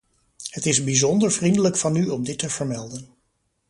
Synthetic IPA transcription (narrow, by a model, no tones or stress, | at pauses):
hətɪzbizɔndəɹvrindələkfɑnyɔmdɪtəv̥əɹmɛlˠdən